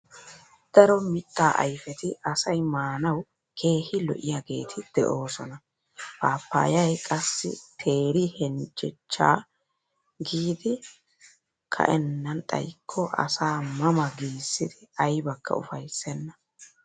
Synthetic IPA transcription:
d̪̥ɐɾɔmɪt̪ʼːaːʔɐjfɛt̪ɪʔɐsɐjmaːnɐw | kʰe̞ːhɪlɔ̰ʔɪjaɡe̞̰ːt̪ʰɪd̪̥ɛʔo̞ːsɔnɐ | paːpːa̰ːjɐjkʼɐsːɪ̰t̪ʰe̞ːɾɪhɛnt͡ʃʼːɪt͡ʃːa̰ː | ɡiːd̪ɪ | kʰɐ̰ʔɛnːɐnt̪ʼɐ̰jkʰːɔʔɐ̰saːmɐmɐɡiːsːɪd̪̥ɪɐjbɐkːɐ̰ʊ̰fɐjsːɛnːɐ

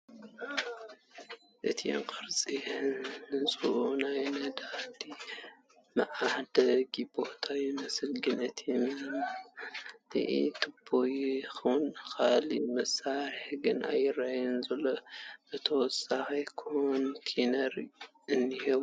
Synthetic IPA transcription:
ʔɨt̪ʰiɛ̰ŋkʼɨɾt͡sʼinɨt͡sʼuʔunajnɐd̪ad̪i | mɐʔaħd̪ɐɡibot̪ʰajɪmɐsɨlɡɨnɨt̪ʰjɛmilɐmːa | nɨ̰ʔḭt̪ʰɨb̥ojxɐwnkʰalḭmɐsaɾɪħɡɨnʔa̰jɨrajɛnzɐlːoʔɨt̪ʰɐwɔsaxɐjkʰont̪ʰinɐɾ | ɨnːihɐw

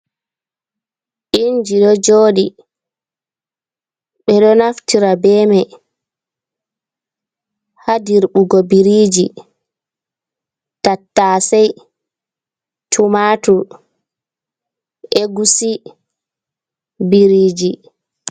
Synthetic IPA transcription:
ind͡ʒiɗɔd͡ʒoːɗi | ɓɛɗɔnaftiɾabɛːmɛ | hadiɾɓuɡɔbiɾiːd͡ʒi | tatːaːsɛj | tʰumatu | eɡusi | biɾiːd͡ʒi

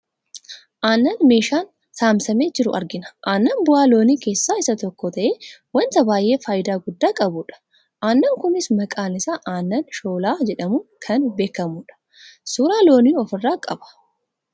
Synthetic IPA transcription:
ʔaːnːɐnme̞ːʃaːn | saːmsɐmeːd͡ʒɪɾʊ̰ʔɐ̰ɾɡɪnɐ̥ʔaːnːɐnbʊaːlo̞ːniːke̞ːsːaːɪsɐt̪ɔkːɔt̪ɐʔeːwɐnt̪ɐbaːjʔe̞ːfaːjɪd̪aːɡʊd̪ːaːkʼɐbʊᶑɐ̥ | ʔaːnːɐŋkʊnɪsmɐkʼaːnɪsaːʔaːnːɐnʃo̞ːlaːd͡ʒɛᶑɐmʊkʰɐnbe̞ːkːɐmuːᶑɐ̥ | sʊːɾaːlo̞ːniːɔfɪrːaːkʼɐ̰bɐ̥

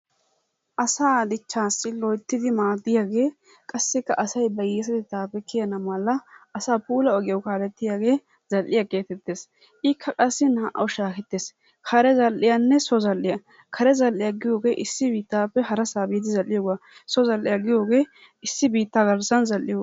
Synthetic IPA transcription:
ʔɐsaːd̪ɪt͡ʃːaːsːɪlɔjt̪ːɪd̪ɪmaːd̪ːɪjaːɡe̞ː | kʼɐsːɪkːɐʔɐsɐjbɐjɛs̬ɛd̪ɪt̪aːpɛkːɪjɐnɐmɐlːɐːsaːpuːlɐɔɡɪjɐwkaːlɛt̪ːɪjaːɡe̞ː | z̥ɐlːɪjake̞ːt̪ɛt̪ːeːs | ʔɪkʰːɐkʼɐsːɪnaʔɐwʃaːkɛt̪ːes | kʰɐɾɛzɐlːɪjanːɛsɔzɐlːɪjɐ | kʰɐɾɛzɐlːɪjaɡɪjo̞ːɡe̞ːʔɪsːɪbiːt̪ːaːpːɛhɐɾɐsaːbɪːd̪ɪzɐlːɪjoːɡasɔzɐlːɪjɐɡɪjo̞ːɡe̞ː | ɪsːɪbiːt̪ːaːɡɐɾsɐnzɐlːɪjoː

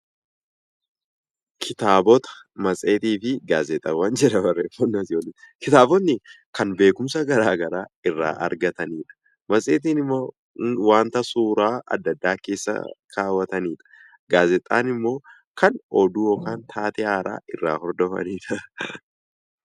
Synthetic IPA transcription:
kʰɪt̪aːbɔt̪ɐ̥ | mɐsʼeːt̪iːfɪɡaːzɛt̪ʼːɐwɐnd͡ʒɛɾɐbɐrːɛfɔnːɐsjoːlɪkɪt̪aːbɔt̪nɪkɐnbe̞ːkʊmsɐɡɐɾaːɡɐɾaːɪrːa̰ːʔɐ̰ɾɡɐt̪ɐniːᶑɐ̥ | mɐsʼeːt̪̬iːnɪmːoː | waːnt̪ɐsuːɾaːɐ̰d̪ːɐd̪ːaːke̞ːsːɐ̰kʰaːwɐt̪ɐniːᶑɐ̥ | ɡaːzɛt̪ʼːa̰ːnɪmːo̞ː | kɐnɔd̪uːjɔkaːnt̪ʰaːt̪ɛʔaːɾa̰ːɪrːa̰ːhɔɾd̪ɔfɐ̰niːᶑɐ

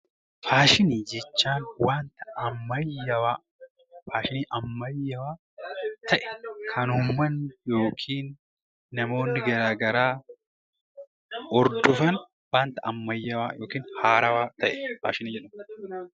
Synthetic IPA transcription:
faːʃɪniːd͡ʒɛt͡ʃːaːnwaːnt̪ɐ̥ɐmːɐjːɐwaː | faːʃɪniːʔɐmːɐjːɐwaː | t̪ʰɐʔɛ̥kʰɐnʊmːɐnjo̞ːkʰiːnː | ɐmo̞ːnːɪɡɐɾaːɡɐɾaː | ɔɾd̪ʊfɐn | waːnt̪ɐʔɐmːɐjːɐwaːjoːkiːnhaːɾɐwaːt̪ɐʔɛfa̰ːʃɪniːd͡ʒɛᶑɐm

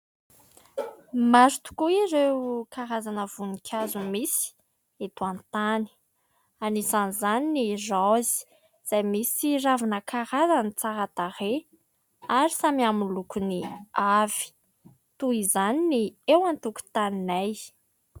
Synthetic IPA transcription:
maɾut̪u̥kuiɾewkaɾazanəvunikʲʰazumisi̥ | et̪uant̪ani̥ | anizanizaninizawzi̥ | z̥ajmisiravinəkʰaɾazanit͡saɾat̪aɾe | aɾisamiamulukuniav̥i̥ | t̪uizaniniewant̪uku̥t̪aninaj

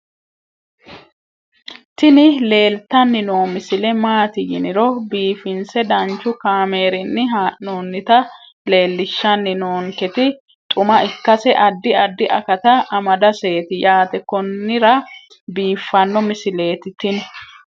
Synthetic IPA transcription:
t̪ɪnɪle̞ːlt̪ːɐnːɪnoːmɪsɪlɛmaːt̪ɪjɪnɪɾɔbiːfɪnsɛd̪ɐnt͡ʃːʊkaːme̞ːɾɪnːɪɦaːnoːnːɪt̪ɐ | le̞ːlːɪʃːɐnːɪnoːŋkɛt̪ɪ | t̪ʼʊmɐɪkːɐsɛʔɐd̪ːɪɐd̪ːɪʔɐkɐt̪ɐɐmɐd̪ɐse̞ːt̪ɪjaːt̪ɛkːɔnːɪɾɐ | biːfːɐnːɔmɪsɪle̞ːt̪ɪt̪ɪnɛ

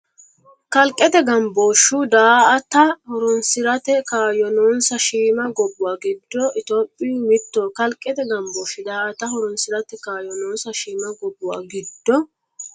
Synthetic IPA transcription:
kɐlkʼːɛt̪ɛɡɐmboːʃːud̪aːʔɐt̪ɐhɔɾɔnsɪɾɐt̪ɛkaːjɔnoːnsɐʃiːmɐɡɔbʊwaːɡɪd̪ːɔʔɪt̪oːpʼːɪmɪt̪ːoːkɐlkʼːɛt̪ɛɡɐmboːʃʊd̪aːʔɐt̪ɐhɔɾɔnsɪɾɐt̪ɛkaːjɔnoːnsɐʃiːmɐɡɔbːʊwa̰ːɡɪd̪ːɔ

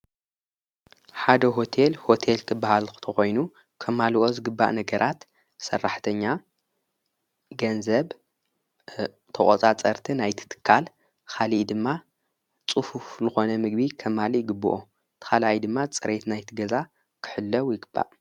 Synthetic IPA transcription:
ħad̪ɐɦo̞t̪ʰelho̞t̪ʰelkʰɨbːahalkɨ̥t̪ʰɐxo̞jnu | kʰɐmːalʔo̞zɨɡɨbːa̰ʔnɐɡɐɾʔat̪ | sɐ̰rːaħt̪ʰɐɲːa | ɡɐnzɐβ | t̪ʰɐkʼot͡sʼat͡sʼɐɾt̪ʰinajt̪ʰɨ̥t̪ʰɨ̥kʰːal | kʰaliʔd̪ɨmːa | t͡sʼuhufzɨxo̞nɐmɨɡbikʰɐmːalijɪɡɨbːṵʔo | t̪ʰɨ̥xalajd̪ɨmːat͡sʼɨɾet̪najt̪ʰiɡɐza | kʰɨ̥ħɨlːɐwjɪɡɨb̥ːa̰ʔ

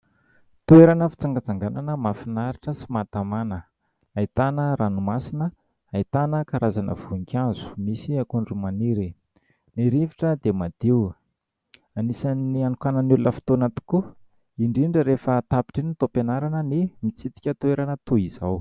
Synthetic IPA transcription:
t̪ueɾanəfi̥t͡saŋɡat͡saŋɡananəmafinaɾiʈ͡ʂəsimat̪amanə | ait̪anəɾanumasinə | ait̪anəkaɾazanʔə̰v̥uiŋkʰʲazu̥misiakuɳɖ͡ʐumaniɾi | niɾiviʈ͡ʂəd̪emad̪iw | anisanianukanənulunəfi̥t̪onat̪i̥ku | iɳɖ͡ʐiɳɖ͡ʐəɾefət̪api̥ʈ͡ʂinit̪openaɾanənimit͡sit̪i̥kʲət̪ueɾanət̪uiz̥aw

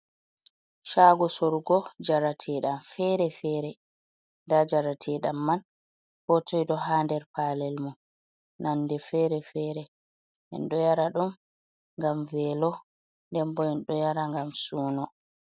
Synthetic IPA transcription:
ʃaɡɔsɔɾɡɔd͡ʒaɾatʰɛːɗamfɛɾɛfɛːɾɛ | ndad͡ʒaɾatʰɛːɗamːan | hɔtʰɔjɗɔɦaːndɛɾpalɛlmɔ | nanːdɛfɛɾɛfɛːɾɛ | ʔɛ̰nɗɔjaɾaɗum | ŋɡamvɛlɔ | ndɛmbɔɛnɗɔjaɾaŋɡamsuːnɔ

